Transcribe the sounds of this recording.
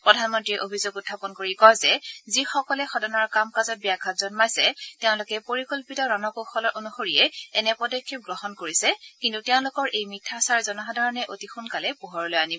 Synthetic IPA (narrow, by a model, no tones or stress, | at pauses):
pɹɔdʱanmɔntɹiɛʔobʱizoɡutʰːapɔnkoɹikɔjzɛzixɔkɔlɛxɔdɔnɔɹkamkazɔt̚bijaɡʰʱatzɔnmajsɛteʊ̃lʊkɛpoɹikolpitɔɹɔnɔkoxɔɔʔonuxoɹijɛɛnɛpɔdɔkʰːip̚ɡɹɔɦɔnkoɹisɛkintuteʊ̃lʊkɔɹʔejmitʰːasaɹzɔnɔxɔdʱaɹɔnɛʔotixunkalɛpuɦɔɹɔlojani